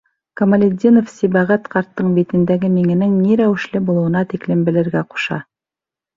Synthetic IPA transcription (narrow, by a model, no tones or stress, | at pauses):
komɐlʲed̪ʲinofsibæʁæt̪qʰɑɾt̪ːɤɴbit̪ɘ̆nd̪æɡɘmiŋɘ̆nɘŋniɾæwɘ̆ʃlɘbulˠuwɤ̆nɑt̪iklɘmbɘ̆lɘ̆ɾɡæqu̥ʃɑ̰